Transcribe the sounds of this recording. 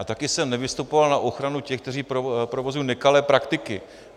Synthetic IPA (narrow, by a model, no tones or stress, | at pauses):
at̪akɪsɛmnɛvɪst̪upo̞valnaʔo̞xɾanucɛxk̚t̪ɛr̝iːpopɾovo̞zujiːnɛkalɛːpɾakt̪ɪkɪ